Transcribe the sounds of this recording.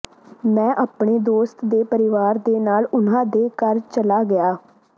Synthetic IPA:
mɛ̃ːʔaːpɳeːd̪oːst̪d̪eːpəɾɪʋaːɾd̪eːnaːlʊnãːd̪eːkəɾt͡ʃəlaːɡɪaː

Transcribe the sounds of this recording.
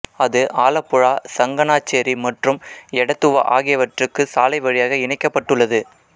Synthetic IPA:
ɐðɯʔaːlɐpːʊɻaːsɐŋɡɐnaːt͡ʃːeːɾimɐʈrɯmɛɽɐt̪ːɯʋɐ̰ʔa̰ːɣɪjɐʋɐʈrɯkːɯsaːlɐɪʋɐɻɪjaːɣɐɪɳɐɪkːɐpːɐʈːɯɭːɐðɯ

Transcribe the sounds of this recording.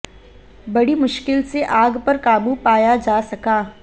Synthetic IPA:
bɐɽimʊʃkɪlseʔaːɡpɐɾkaːbupaːjad͡ʒaːsɐkaː

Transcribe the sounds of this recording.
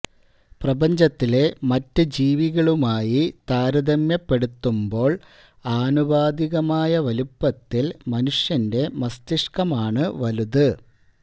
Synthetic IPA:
prɐbɐɲd͡ʑɐt̪ːile̞mɐtːɨd͡ʑiːʋiɣɐɭumaːjit̪aːɾɐd̪ɐmjɐpːe̞ɽut̪ːumbo̞ːɭ | aːnubaːd̪iɣɐmaːjɐʋɐlupːɐt̪ːilmɐnuʂjɐnde̞mɐst̪iʂkɐmaːɳɨʋɐluðɨ

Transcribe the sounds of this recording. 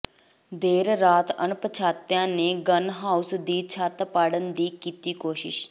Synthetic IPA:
d̪eːɾɾaːt̪ənpət͡ʃʰaːt̪jãːneːɡənɦaːusd̪iːt͡ʃʰaːt̪paːɽənd̪iːkiːt̪iːkoːʃɪ̰ʃ

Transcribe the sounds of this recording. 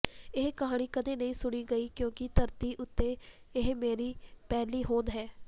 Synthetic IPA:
ɪɦkəɦaːɽ̃iːkəd̪eːnəĩːsʊɽ̃iːɡəiːkjõːkɪt̪əɾt̪iːʔʊt̪ːeː | ɪɦmeːɾiːpɛːliːɦoːnɦɛː

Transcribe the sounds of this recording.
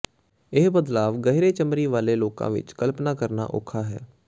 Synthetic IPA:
ɪːbəd̪laːʋɡəɦɾeːt͡ʃəmɾiːʋaːleːloːkã̰ːʋɪ̰t͡ʃkəlpnaːkəɾna̰ːʔo̰ːkʰaːɦɛ̰ː

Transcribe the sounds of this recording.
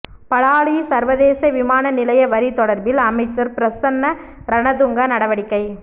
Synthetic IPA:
pɐɽaːɭisɐɾʋɐðeːsɐʋɪmaːnɐnɪlɐjɐʋɐɾit̪ːɔɽɐɾbɪlɐmɐɪt͡ʃːɐɾpɪɾɐsɐnːɐ | ɾɐnɐðʊŋɡɐnɐɽɐʋɐɽɪkːɐɪ

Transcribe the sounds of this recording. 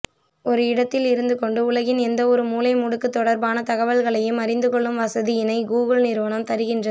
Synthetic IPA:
ɔɾɯɪɽɐt̪ːɪlɪɾɯnd̪ɯkɔɳɖɯʊlɐɣɪnɛnd̪ɐɔɾɯmuːlɐɪmʊɽɯkːɯt̪ːɔɽɐɾbaːnɐt̪ɐɣɐʋɐlɣɐɭɐjɯmɐɾɪnd̪ɯkɔɭːɯmʋɐsɐðɪjɪnɐɪɡuːɣɯlnɪɾɯʋɐnɐmt̪ɐɾɯɣɪndrɐ

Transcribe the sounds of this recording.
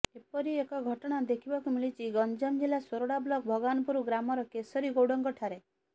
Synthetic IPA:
epɔɾiekɔɡʱɔʈɔɽ̃ad̪ekʰibɔkumiɭit͡ʃʰiɡɔnd͡ʒɔmd͡ʒilasoɾoɽablɔk̚bʱɔɡanɔpuɾuɡɾamɔɾɔkesɔɾiɡowɽɔŋkɔʈʰaɾe

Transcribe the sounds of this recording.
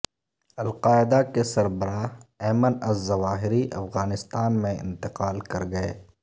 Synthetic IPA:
ɐlqaːɪd̪akesɐɾbəɾaːɛːmənɐzːɐʋaːɦɪɾiʔɐ̰fɣaːnɪst̪aːnmẽɪ̰̃nt̪ɪqaːlkɐɾɡɐḛː

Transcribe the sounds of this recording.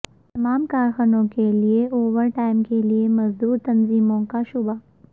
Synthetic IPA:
t̪ɐmaːmkaːɾxanõkelieʔoːʋəɾʈaːɪmkeliemɐzd̪uːɾt̪ɐnziːmõkaʃʊba

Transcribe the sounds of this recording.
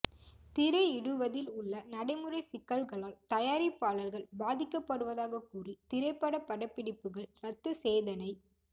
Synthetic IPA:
t̪ɪɾɐɪɪɽɯʋɐðɪlʊɭːɐnɐɽɐɪmɯrɐɪsɪkːɐɭɣɐɭaːlt̪ɐjaːɾipːaːɭɐlɣɐɭbaːðɪkːɐpːɐɽɯʋɐðaːɣɐkːuːrit̪ɪɾɐɪpːɐɽɐpːɐɽɐpːɪɽɪpːɯɣɐɭɾɐt̪ːɯseːðɐnɐɪ

